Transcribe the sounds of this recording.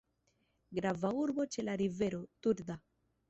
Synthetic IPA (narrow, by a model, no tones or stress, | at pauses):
ɡɾavauɾbo̞t͡ʃe̞laɾive̞ɾo̞t̪uɾd̪a